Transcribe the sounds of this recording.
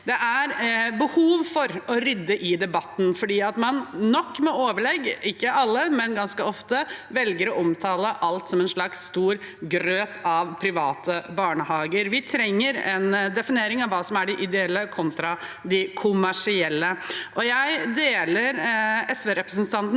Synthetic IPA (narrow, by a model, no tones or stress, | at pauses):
d̪ɛʔæɾbəhuːʋfɔɾɔɾʏd̪ːəʔɪd̪ɛbɑt̪ːn̩fɔɖiːɑt̪mɑnːɔkːmɛoːʋəɭɛɡːɪkːəʔɑlːəmɛnɡɑnskəɔft̪əʋɛlɡəɾɔʔɔmt̪ʰɑːləʔɑlt̪sɔmɛnʂɭɑksːt̪uːɾ | ɡɾøːt̪ʰɑʋpʰɾɪʋɑːt̪ʰəbɑːɳəhɑːɡəɾʋɪt̪ʰɾɛŋːəɾɛ̰nd̪ɛfɪneːɾɪŋɑʋːɑːsɔmæɖɪʔɪd̪ɛɛlːəkʰɔnt̪ɾɑd̪ɪkʰʊmæʂɪɛlːəʔɔjæɪd̪eːləɾɛsʋeɾɛpɾəsnt̪ʰɑnt̪n